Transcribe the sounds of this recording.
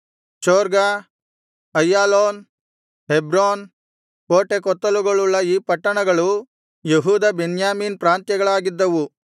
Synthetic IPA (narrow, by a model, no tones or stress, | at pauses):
t͡ʃoːɾɡa | ɐjːaːloːn | ɦebɾoːn | poːʈekɔt̪ːɐluɡɐɭulːɐiːpɐʈːɐɳɐɡɐɭu | jeɦuːd̪ɐbenjaːmiːnpɾaːnt̪jɐɡɐɭaːɡid̪ːɐʋu